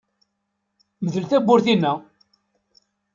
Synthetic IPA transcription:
məðəlθæbːʊɾθinːæ

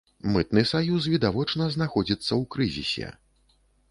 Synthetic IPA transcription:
mɨt̪nɨsajus̬vʲid̪avɔt͡ʂnɐzn̪axɔd͡zʲit̪sːɐwkɾɨzʲḭsʲɛ̰

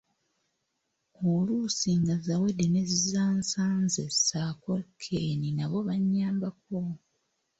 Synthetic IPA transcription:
olusiŋɡazawedenezzaːnsaːnzesakolkʰeninaβo̞βaɲːaːmbak̚o

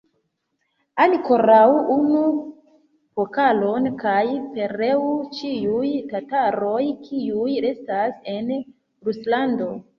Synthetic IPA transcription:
anko̞ɾawunu | pokalo̞nkajpe̞ɾe̞ut͡ʃiujtataɾo̞jkʰiuje̞stase̞n | ɾuslando̞

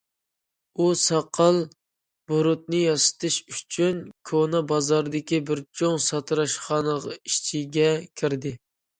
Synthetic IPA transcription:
usɑqʰːɑlˠ | b̥oɾʊt̪̚nɨjɑsɨ̥t̪ʰɨʃy̥t͡ʃʰynkʲʰonɑbɑzɑɾd̪ɪkʲibɪɾt͡ʃʰoŋsɑt̪ʰɨɾɑʃχɑnəʁɑi̥ʃt͡ʃʰiɡʲɛkʲʰɪɾd̪ɪ

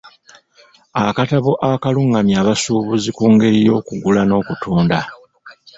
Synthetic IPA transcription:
akataβoʔakaluŋːamjaːβasuːβuzikuːŋɡe̞ɾijo̞ːkuɡulano̞ːkutuːnda

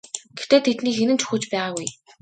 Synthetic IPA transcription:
ɡ̥et̪eːt̪ʰet̪niːxenɘ̆nt͡ɕʰɵ̥xɘ̆ːt͡ɕpæːʁaːɣuj

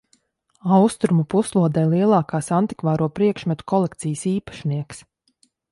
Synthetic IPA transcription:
awst̪ɾumupuslˠuɔd̪ɛjlˠiɛlˠɑːkaːsant̪i̥kvaːɾuɔpɾiɛkʃmɛt̪u̥kɔlˠɛk̚t̪sijəsiːpḁʃniɛks

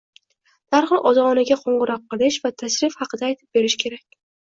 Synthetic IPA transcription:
d̪̥aɾhɨlˠʔɒzɑʁɒnɪɡʲaqʰoɴʁɨɾɒq̚ːɨlˠɪʃvat̪ʰaʃɾɪfhɑqɨd̪aːjt̪ʰɪ̥p̚be̞ɾɪʃkʲʰe̞ɾakʲ

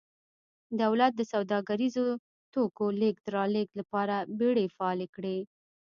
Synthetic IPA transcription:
d̪awlat̪̚d̪əsawd̪ɑɡaɾizo | t̪okolek̚d̪əɾɑleklapɑɾabeɽefaɑlekɽe

